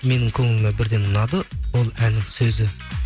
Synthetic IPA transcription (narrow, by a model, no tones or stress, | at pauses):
me̞nɪŋkʲʰɵŋɪlɪmebɪɾd̪e̞nʊnɑd̪əwo̞lˠænːɪŋsɵzɪ